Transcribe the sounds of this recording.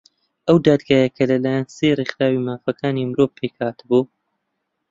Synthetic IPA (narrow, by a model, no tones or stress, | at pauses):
ʔɐwd̪aːd̪ɡaːjɐkʰɐlɐlaːjansejreχɾaːwimaːfɐkʰaːnimɨɾo̞vpʰːekhaːt̪ɨbuː